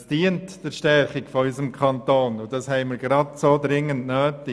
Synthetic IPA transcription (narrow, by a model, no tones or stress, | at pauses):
sd̥iːəntd̥ɛɾʃtɛɾχɪɡfɔysəmkʰɑntoːnʊd̥ɑshɛɪmiɾɡɾɑdsoːdɾɪŋːəndnøːtɪ